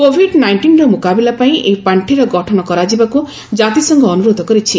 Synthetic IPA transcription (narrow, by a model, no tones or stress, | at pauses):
kobʱiɖnajɳʈinɾɔmokabilapaĩʔejpaɳʈʰiɾɔɡɔʈʰɔɽ̃ɔkɔɾad͡ʒibaku | d͡ʒat̪isɔŋɡɔːnuɾod̪ʱɔkɔɾit͡ʃʰi